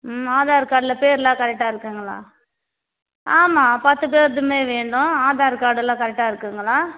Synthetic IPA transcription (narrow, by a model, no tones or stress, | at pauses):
aːðaːɾkaːɽɪlɐpeːɾɯlãːkɐɾɛk̚ʈːaːɪɾɯkːɯŋɡɐɭa̰ː | aːmaːpɐt̪ːɯp̬eːɾðɯmeːʋeːɳɖʊ̃aːðaːɾkaːɽɯlãːkɐɾɛk̚ʈːaːɪɾɯkːɯːŋɡɐɭaː